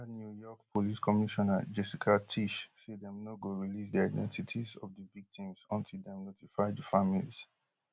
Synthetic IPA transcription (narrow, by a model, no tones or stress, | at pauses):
anjujɔkpʰoliskʰɔmiʃɔna̰d͡ʒɛsikʰatʰiʃsedɛ̃mnoɡoɹilisdiaɪdɛ̰̃ntʰitʰizɔ̰vdəvik̚tʰĩmzɔ̃ntʰidɛ̃mnotifaɪdəfamiliz̥